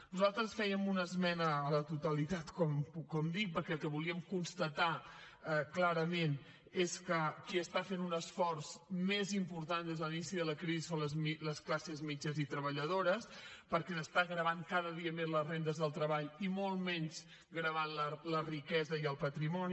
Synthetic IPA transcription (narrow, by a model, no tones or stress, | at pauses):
buzalˠt̪ɾəsfɛjəmunəzmɛnəːlət̪ut̪əlit̪at̪kɔmkɔmd̪ik̚pəɾkɛlˠkɛβuliəmkunst̪ət̪a | klaɾəmen | eskəkiəst̪afenunəsfɔrzmezimpuɾt̪and̪ezðəlˠinisiðələkɾizisonləzmiləsklasezmid͡ʒəzit̪ɾəβəʎəðoɾəspəɾkɛsəst̪aɣɾəβaŋkaðəðiəmezləzrend̪əzðəlˠt̪ɾəβaʎimolˠmɛɲz | ɡɾəβanlələrikɛzəiəlˠpət̪ɾimɔni